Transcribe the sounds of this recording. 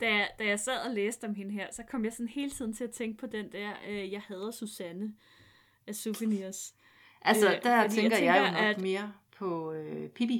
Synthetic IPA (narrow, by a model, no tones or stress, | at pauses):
d̥æd̥æjɑ̈ɪsæð̰ˠɒleːsd̥əɒ̽mɦe̝nəɦeɐ̰sɒ̽kʰɒ̽m̰jɑ̈ɪsɒ̽nhe̝ːlt͡sʰið̞̰ˠn̩t͡sʰe̝læt͡sʰeŋɡ̥̚pʰɒ̽d̥end̥æɐ̰øjɑ̈ɪhɛð̞ˠɐsusænə | æsufəniɐs | ʔælsɐd̥æt͡seŋɡ̥ɐjɑɪnæd̥me̝ːɐpʰɒ̽øpʰib̥i